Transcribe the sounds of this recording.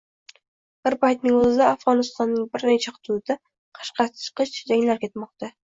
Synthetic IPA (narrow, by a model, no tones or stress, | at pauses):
b̥ɪɾpajt̪nɪŋozɪd̪aːfʁɒnɪst̪ɒnːɪŋbɪɾnet͡ʃʰaχʊ̥t̪ʰud̪a | qʰɑ̥ʃqɑt͡ʃʰɨ̥qɨʃd͡ʒaŋlaɾkʲʰe̞t̪mɒq̚t̪a